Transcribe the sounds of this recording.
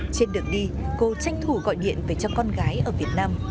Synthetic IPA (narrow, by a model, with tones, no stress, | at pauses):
t͡ɕe˧nɗɨ˨˩ək̚ɗi˧ko˧˦t͡ɕa˧jŋ̟t̪ʰu˧˩ɣɔ̰˧˨jɗḭ˧˨ənveː˨˧˩t͡ɕɔ˧kɔ˧nɣaː˨˦jʔəː˧˩vi˨˩ət̚naː˧m